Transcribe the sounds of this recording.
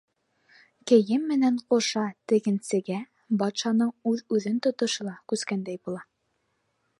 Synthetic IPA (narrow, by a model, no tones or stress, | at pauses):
kɘ̆jɘmːɘ̆næɴqŏʃɑt̪ɘ̆ɡɘ̆nsɘ̆ɡæ | bɑt̪ʃɑnɤɴʉðʉðɘnt̪ŏt̪ŏʃɤ̆lˠɑkʉskænd̪æjbulˠɑ